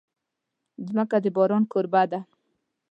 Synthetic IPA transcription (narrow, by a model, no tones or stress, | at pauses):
zməkad̪əbɔɾɔnkoɾbad̪a